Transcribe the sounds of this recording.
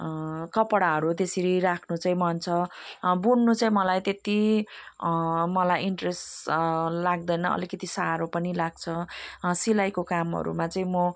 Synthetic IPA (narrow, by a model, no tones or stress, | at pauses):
kʌpɽaɦʌɾut̪esiɾiɾakʰnut͡sʌĩmʌnt͡sʰʌbunːut͡sʌĩmʌlajt̪et̪i | mʌlajiɳʈres | laɡd̪ʌjnʌʌ̰likʌt̪isaɾopʌnilaɡ̚t͡sʰʌsilajkokamɦʌ̰ɾṵmat͡sʌĩmo